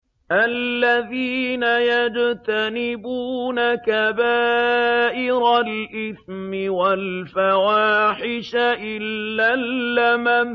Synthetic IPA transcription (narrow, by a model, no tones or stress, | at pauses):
ʔalːaðiːnajad͡ʒt̪anɪbuːnakabaːʔɪɾalʔɪθmɪwalfawaːħɪʃaʔɪlːalːama